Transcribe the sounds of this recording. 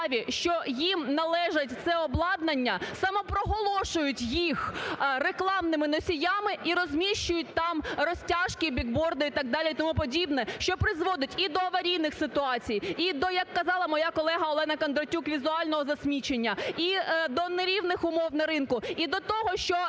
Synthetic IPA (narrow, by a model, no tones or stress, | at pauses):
ʋʲiʃt͡ʃɔjimnɐlˠɛʒɐtʲt̪sɛɔblˠɑd̪nɐnʲːɐsɐmɔpɾɔɦɔlˠɔʃʊjʊtʲjixreklˠɑmnɪmɪnɔsʲijamɪʔiɾɔzʲmʲiʃt͡ʃʊjʊt̚ʲt̪ɑmrɔsʲtʲɑʃkʲibʲiɡbɔrd̪ʊit̪ɑɡ̚d̪ɑlʲit̪ɔmupɔdʲibnɛʃt͡ʃɔpɾɪzʋɔd̪ɪtʲid̪ɔːʋɐɾʲijnɪxsɪt̪ʊɑt͡sʲijid̪ɔjɐkːɐzɑlˠɐmɔjakɔlˠɛɦɐɔlˠɛnɐkɐnd̪ɾɔtʲukʋʲizʊɑlʲnɔɦɔzɐsʲmʲit͡ʃenʲːɐid̪ɔneɾʲiwnɪxʊmɔwnɐɾɪnkʊid̪ɔt̪ɔɦɔʃt͡ʃɔ